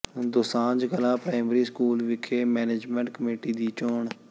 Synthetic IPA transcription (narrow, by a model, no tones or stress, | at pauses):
d̪ʊsãːd͡ʒɡəlãːpɾaːɪmɾiːskuːlʋɪkʰeːmɛːneːd͡ʒmɛ̃ːɳʈ̚kəmeːʈiːd̪iːt͡ʃoːɳ